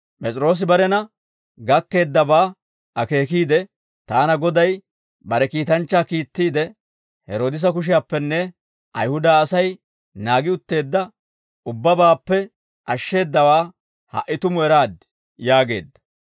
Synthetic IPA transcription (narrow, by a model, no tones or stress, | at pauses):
pʼɛt͡sʼɾo̞ːs̬ɪbɐɾɛnɐ | ɡɐkːe̞ːd̪ːɐbaː | ʔɐke̞ːk̬iːd̪ɛ | t̪aːnɐɡɔd̪ɐj | bɐɾɛkiːt̪ɐnt͡ʃːaːkiːt̪ːiːd̪ɛ | hɛɾo̞ːd̪ɪs̬ɐk̬ʊʃ̬ɪjaːpːɛnːɛ | ʔɐ̰jhʊd̪aːsɐj | naːɡɪʊt̪ːe̞ːd̪ːɐ | ʔʊbːɐbaːpːɛ | ʔɐʃːe̞ːd̪ːɐwaː | hɐ̰ʔːɪt̪ʊmʊɛɾaːd̪ | jaːɡe̞̰ːd̪ːɐ̥